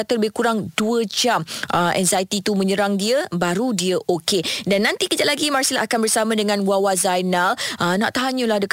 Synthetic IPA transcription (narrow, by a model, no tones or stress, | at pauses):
at̪ələbɪhkuɾaŋduəd͡ʒamʔəʔɛ̰nzajt̪it̪umə̃ɲə̃ɾaŋdiəbaɾudiəʔokedanːant̪ikəd͡ʒat̪ʔ̚laɡimarsilaʔakanbərsamãdəŋãnwawazajnalʔənãʔt̪aɦaɲəlahdək